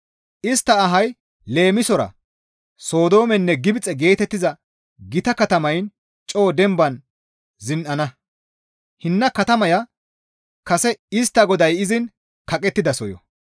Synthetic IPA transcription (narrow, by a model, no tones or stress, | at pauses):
ʔɪst̪ːɐːɦɐj | le̞ːmɪsɔɾɐ̰ | so̞ːd̪o̞ːmɛnːɛɡɪbɪt͡sʼːɛɡe̞ːt̪ɛt̪ːɪzɐ | ɡɪt̪ɐkɐt̪ɐmɐjn | t͡ʃʼo̞ːd̪ɛmbɐn | zɪnʔɐnɐ | hɪnːɐkɐt̪ɐmɐjɐ | kɐsɛɪst̪ːɐɡɔd̪ɐjɪzɪn | kɐkʼɛt̪ːɪd̪ɐsɔjɔ̰